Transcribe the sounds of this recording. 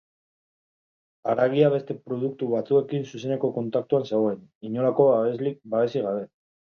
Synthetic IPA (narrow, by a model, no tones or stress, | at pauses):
aɾaɣ̞iaβe̞st̪e̞pɾo̞ð̞uk̚t̪uβat͡sue̞kinsuse̞ne̞ko̞ko̞nt̪ak̚t̪uanseɣo̞eniɲo̞lako̞aβe̞zlik̚baβe̞siɣ̞aβe̞